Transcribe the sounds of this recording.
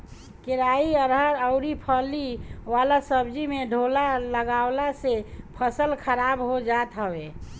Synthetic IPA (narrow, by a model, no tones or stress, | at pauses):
kɪɾaiəɾɦəɾəʊɾipʰəliwaːlasəbd͡ʒimeɖʱolaləɡaːwlasepʰəsəlkʰəɾaːbɦod͡ʒaːt̪ɦəwe